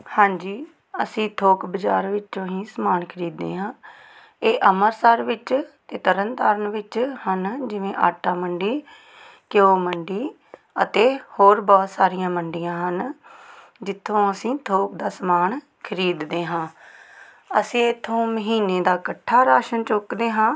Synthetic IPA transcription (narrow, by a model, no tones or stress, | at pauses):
hãːɲd͡ʒiː | əsĩːt̪ʰoːkbəd͡ʒa̰ːɾʋɪt͡ʃt͡ʃõːɦĩːsəmaːnkʰəɾiːd̪ːḛːɦãː | eːʔəməɾsəɾʋɪt͡ʃt̪eːt̪əɾənt̪aːɾənʋɪt͡ʃhənd͡ʒɪʋẽːʔa̰ːʈaːməɳɖiː | kɪoːməɳɖiː | ət̪eːhoːɾbɔːt̪saːɾijãːməɳɖijãːɦən | d͡ʒɪt̪ʰːõːəsĩːt̪ʰoːkd̪aːsəmaːn | kʰəɾiːd̪ːeːɦãː | əsĩːɪt̪ʰːõːməɦiːneːd̪aːkəʈʰːaːɾaːʃənt͡ʃʊkd̪eːɦãː